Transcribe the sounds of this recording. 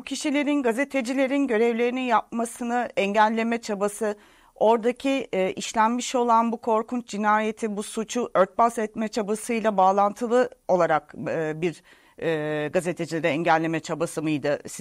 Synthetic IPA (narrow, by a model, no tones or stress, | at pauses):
bucʰiʃilʲe̞ɾinɡaze̞t̪ʰe̞d͡ʒilʲe̞ɾinɟø̞ɾɛvlʲe̞ɾininjap̚masɯnɯɛɲɟælʲːe̞mɛt͡ʃʰabasɯ | o̞ɾd̪acʰiʔiʃlʲænmiʃo̞lˠanbukʰo̞ɾkunt͡ʃd͡ʒinaːje̞t̪ʰibusut͡ʃʰuʔø̞ɾt̪̚basɛt̪mɛt͡ʃʰabasɯjlˠabaːlˠant̪ʰɯlˠɯo̞lˠaɾakːbiɾː | ɡaze̞t̪ʰed͡ʒilʲeɾɛɛɲɟælʲːe̞mɛt͡ʃʰabasɯmɯjd̪ɯs